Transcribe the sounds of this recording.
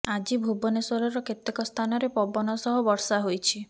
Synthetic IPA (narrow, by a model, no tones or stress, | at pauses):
ad͡ʒibʱubɔneswɔɾɔɾɔket̪ekɔst̪ʰanɔɾepɔbɔnɔsɔɦubɔɾsaɦojt͡ʃʰi